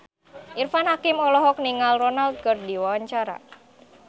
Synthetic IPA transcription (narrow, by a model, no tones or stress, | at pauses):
ʔirfanɦakimɔlɔɦɔk̚niŋalrɔnalt̪̚kərdiwawaɲt͡ʃaɾa̰